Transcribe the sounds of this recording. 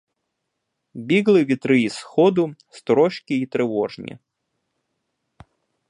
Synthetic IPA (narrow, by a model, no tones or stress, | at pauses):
bʲiɡlˠɪʋʲit̪ɾɪisxɔd̪ʊst̪ɾɔʃkʲiːt̪ɾɛʋɔʐnʲḭ